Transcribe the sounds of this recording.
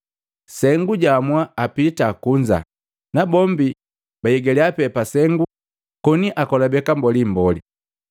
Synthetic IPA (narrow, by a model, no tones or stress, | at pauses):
sɛŋɡuɟamwaːpitakuɲd͡ʒa̰ | nabɔmbi | bajɛɡɛliapɛpasɛŋɡu | kɔniʔakɔlabɛkambɔlim̩bɔli